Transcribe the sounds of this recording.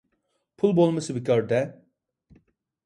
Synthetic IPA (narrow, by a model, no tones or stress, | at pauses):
pʰulˠbolˠmasɯbicʰœɾd̪ɛ